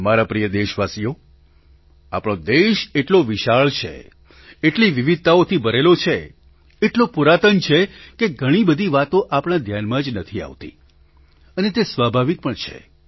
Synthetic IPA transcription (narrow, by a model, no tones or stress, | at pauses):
maɾapɾijəd̪eʃʋasijo | a̰pɳ̃od̪eʃeʈloʋɪʃaɭt͡ʃʰḛ | eʈliʋiʋid̪̚t̪aot̪ʰibəɾelot͡ʃʰe | eʈlopuɾat̪ənt͡ʃʰekeɡʱəɽ̃ibəd̪ʱiʋat̪õʔapɽ̃ad̪ʱjanmãd͡ʒnət̪ʰia̰ʋt̪ḭ | ənet̪esʋabʱaʋik̚pəɳt͡ʃʰḛ